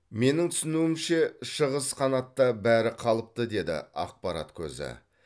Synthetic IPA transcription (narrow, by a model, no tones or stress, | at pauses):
me̞nɪŋt̪ʰʏ̥sɪnuwɪmʃe̞ʃəʁəsqʰɑnɑt̪ːɑbæɾɪqʰɑlˠəp̚t̪əd̪e̞d̪ɪ̰ɑ̰q̚pɑɾa̰t̪kʲʰɵ̰zɪ̰